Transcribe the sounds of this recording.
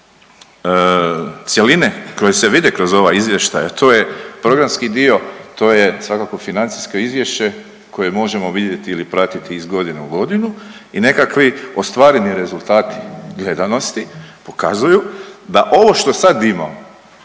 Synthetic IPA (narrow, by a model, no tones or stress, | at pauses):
t̪sʲjeline̞ko̞jese̞ʋid̪ekɾo̞zo̞ʋaizʋje̞ʃt̪ajat̪ʰo̞ːje̞pɾo̞ɡɾamskid̪io̞t̪o̞ːje̞sʋakako̞finant̪si̥skoizʋje̞ʃt͡ʃe̞ | ko̞je̞mo̞ʒe̞mo̞ʋid̪je̞t̪iilipɾat̪it̪iizɡo̞d̪ineuɡo̞d̪inuine̞kakʋio̞st̪ʋaːɾe̞niɾe̞zulˠt̪aːt̪i̥ɡle̞d̪ano̞st̪ipo̞kazujud̪aʔo̞ʋo̞ʃt̪o̞sad̪ima̰